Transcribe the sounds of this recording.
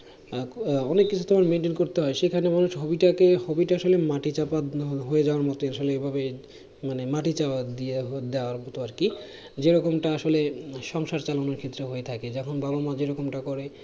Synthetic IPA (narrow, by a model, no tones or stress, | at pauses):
ɔnekːit͡ɕʰu̥t̪omaɾmenʈenkoɾt̪eɦɔeʃekʰanemanuʃɦobiʈakehobiʈaaʃolemaʈit͡ɕapaɦoed͡ʑaoaɾmɔt̪oaʃoleebʱabe | manemaʈit͡ɕapad̪ied̪eoaɾmɔt̪oaɾki | d͡ʑeɾɔkomʈaaʃoleʃɔŋʃaɾt͡ɕalonoɾkʰet̪ːɾoɦoet̪ʰaked͡ʑɔkʰonbabomad͡ʑeɾɔkomʈakɔɾe